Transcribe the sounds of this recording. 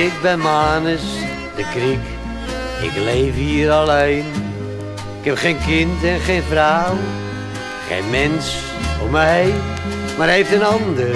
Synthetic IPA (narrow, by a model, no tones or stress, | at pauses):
ɪk̚bɛ̃nmanəs | dəkɾik | ɪ̰klejviːəɾalˠejn | ɪkɛpχẽjnkɪntɛ̃χejnfɾaw | χḛjnmɛns | ʊ̰məɦejm | maɾejftənɑnd̪ə